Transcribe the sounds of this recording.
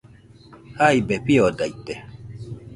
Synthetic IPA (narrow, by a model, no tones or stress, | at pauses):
haibɛpiɔdait̪ɛ